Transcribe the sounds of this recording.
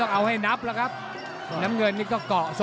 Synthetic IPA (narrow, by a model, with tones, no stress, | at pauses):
ɔ˧ŋʔa˨˧˩wha˧jnaː˦˥p̚la˨˦xaː˦˥p̚ | na˨˦mŋɨ˨˩ə˩ni˧kɔ˧˦kɔ˧˩˨so˧